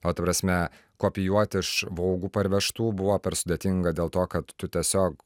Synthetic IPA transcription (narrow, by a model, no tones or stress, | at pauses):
oːt̪ɐpɾɐsʲmʲɛ | koːpʲɪjuɔt̪ʲɪʃʋɐʊɡuːpɐɾʲʋʲɛʃt̪uːbʊʋoːpʲɛɾsʊd̪ʲeːt̪ʲɪŋɡɐd̪ʲeːlˠt̪oːkɐt̪ːʊt̪ʲiɛsʲoːk